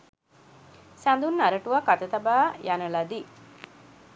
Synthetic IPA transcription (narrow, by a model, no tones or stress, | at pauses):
sand̪unːaɾɐʈuʋakat̪ɐt̪ɐbaːjanɐlɐd̪i